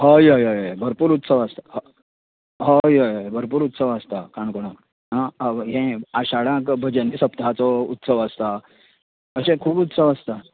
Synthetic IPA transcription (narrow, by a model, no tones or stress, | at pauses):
ɦojəjɦəjɦjbʱəɾpuːɾut̪səʋast̪aɦ | ɦojɦəjɦəjbʱəɾpuːɾut̪səʋast̪akãɳkoɽ̃ãk | ɦaɦẽaɕaɽãkbʱəd͡ʑənisəpt̪at͡sɔut̪səʋast̪a | əɕẽkʰuːbut̪səʋast̪a